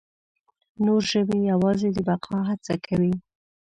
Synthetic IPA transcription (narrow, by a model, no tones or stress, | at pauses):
noɾʒəbejawɑzed̪əbaqʰɑɦat͡sa̰kʰawi